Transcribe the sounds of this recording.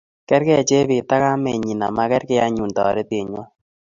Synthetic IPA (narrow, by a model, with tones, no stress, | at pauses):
kɛ˦ɾkɛ˦a˨t͡ʃe˦bi˨ta˦ka˦mɛ˨ɲi˨na̰˨ma˦kɛ˦ɾkɛ˦a˦ɲu˨ndɔ̰˨ɾe˦te˨ɲwɔ˦